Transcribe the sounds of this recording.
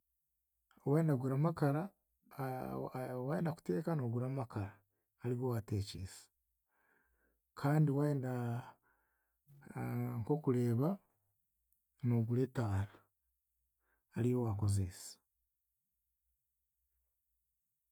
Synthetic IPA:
weːndaɡuɾamakaɾa | waeːndaku̥te̞ːkanoːɡuɾamakaɾaː | liwowateːciːsḁ | kʰaːndiwaeːnda | ŋko̞kuɾe̞ːβa | noɡuɾetaːɾa | lijowako̞zesḁ

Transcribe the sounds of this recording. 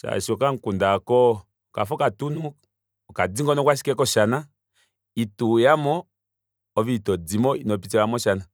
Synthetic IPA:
ʃa̰ʃɔkaŋ̩kundakɔ | ka̰fɔkatunu | kad͡ziŋɡɔnɔkwaʃ̬i̥kɛkɔʃana | itujamɔː | viitɔd͡zimɔinɔp̬it͡sɛamɔʃana

